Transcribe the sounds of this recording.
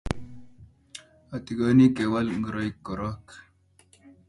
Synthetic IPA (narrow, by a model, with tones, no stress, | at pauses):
a˨t̪i˨ɡo˦ni˦ke˨wa˦lŋɡə˨ɾo˦jkːo˨ɾo˦k